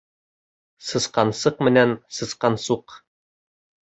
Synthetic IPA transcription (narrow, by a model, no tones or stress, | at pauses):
sɤ̆sqɑnsɤqmɘ̆nænsɤ̆sqɑnsuq